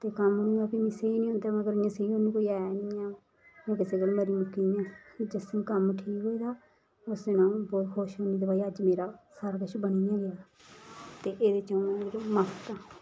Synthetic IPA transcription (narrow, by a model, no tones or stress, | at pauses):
t̪eːkəmɦoniːɡaːkiːmɪ̃seiːnĩːɦõnd̪aːməɡəɾjãːseiːoːnĩːkoːiːɛːniːãː | õːkɪseːɡəlmeːɾiːmʊkːiːɛ̃ːd͡ʒɪsmkəmʈʰiːkɦoːiːd̪aː | ʊsd̪enãːbɔːt̪kʰoːʃɦoːniːd̪ɪbaːiːəd͡ʒmeːɾaːsəɾkəʃbənijãːɡɪaː | t̪eːʔeːd̪eːt͡ʃəũãdkːməkt̪aː